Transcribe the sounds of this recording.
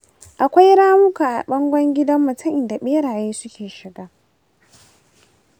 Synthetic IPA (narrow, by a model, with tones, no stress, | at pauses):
ʔa˨kʷa˦jɽaː˦mʊ˦kaː˨ʔa˨ɓɐ˦ŋɡʷɐ˦ŋɡʲɪ˦dɐ˦mːʊ˨tɐ˦˨ʔɪ˨da˨ɓeː˦ɽaː˨jeː˦sʊ˦kʲeː˨ʃɪ˨ɡaː˦